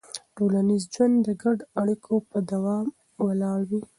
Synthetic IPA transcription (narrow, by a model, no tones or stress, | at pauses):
ʈolanizd͡ʒwand̪d̪əɡaɖoaɽikʰopəd̪awɑm | walɑɽwi